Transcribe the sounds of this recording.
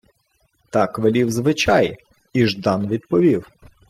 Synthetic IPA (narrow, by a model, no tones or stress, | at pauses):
t̪ɑkʋelʲiwzʋɪt͡ʃɑj | iʒd̪ɑnʋʲid̪pɔʋʲiw